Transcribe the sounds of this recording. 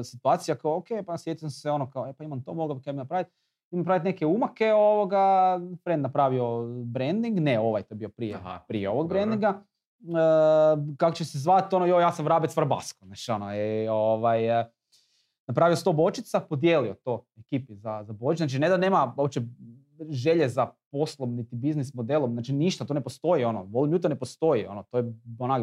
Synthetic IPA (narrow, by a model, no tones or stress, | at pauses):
sit̪uaːt̪sijakaookejpasjet̪isamseo̞nokaoepaimamt̪o̞moɡlabikabinapɾaʋit̪̚ | imanpɾait̪nekeumakeoʋoɡafɾend̪napɾaʋio̞bɾend̪iŋɡneo̞ʋa̰jt̪ojbiopɾijḛpɾijeo̞ʋoɡbɾend̪iŋɡa | əkakot͡ʃesezʋat̪o̞nojojaːsamɾaːbit̪ʋɾba̰skonat͡ʃonoioʋaj | napɾaːʋiost̪obo̞t͡ʃit̪sapo̞d̪je̞ːlio̞t̪oːekiːpizazabot͡ʃit͡ʃ̪nat͡ʃined̪ane̞ːmaop̚t͡ʃe | ʒe̞ʎezapo̞slˠomnit̪ibiznismod̪elˠomznaːt͡ʃiniʃt̪at̪oːnepost̪o̞jio̞noʋolɲuːt̪onepost̪o̞jio̞not̪ojeonak